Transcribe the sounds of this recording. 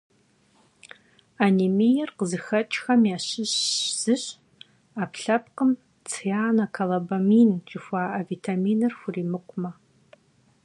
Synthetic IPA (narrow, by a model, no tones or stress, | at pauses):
animijɛrqəzɨxɐt͡ʃʼxɐmjaːɕɪɕz̥ɨɕ | apʰɬɐp̚qəm | t͡sʰjaːnakʰalabamiːnt͡ʃʼɪxʷaːʔɐviːtʰamiːnɨrxʷʊriːmɨqʷʼmɐ